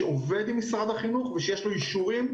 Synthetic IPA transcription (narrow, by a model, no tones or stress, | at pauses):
eove̞d̪imːisʁad̪aχinuχveʃejeʃlo̞iʃuʁim